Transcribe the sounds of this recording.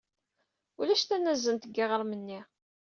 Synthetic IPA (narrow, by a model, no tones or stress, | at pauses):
ulæʃt̪ænːæzːənt̪əɡːɪʁəɾˤmənːi